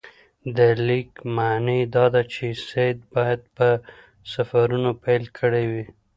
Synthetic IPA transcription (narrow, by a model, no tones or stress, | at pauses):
d̪əlikmaned̪ɑd̪at͡ʃesed̪̚bɑjad̪̚pə | safaɾunopajlkʰəɽewi